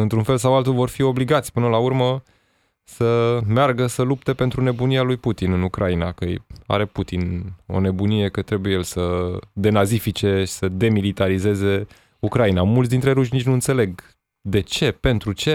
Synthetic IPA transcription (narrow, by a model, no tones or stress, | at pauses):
ɨnt̪ɾunfe̞ls̬awalt̪ulvo̞rfio̞bliɡat̪sʲpɨnəlaurmə | səmearɡəsəlup̚t̪e̞pe̞nt̪ɾune̞bunialujput̪inɨnukɾʔainakəja̰ɾe̞put̪ino̞̰ne̞bunije̞kət̪ɾe̞bujelsəd̪e̞nazifit͡ʃe̞ʃi̥səd̪e̞milit̪aɾize̞ze̞ | ukɾainamult̪s̬ʲd̪int̪ɾe̞ɾuʃnit͡ʃʲnuɨnt̪sele̞ɡ | d̪e̞t͡ʃe̞pe̞nt̪ɾut͡ʃe̞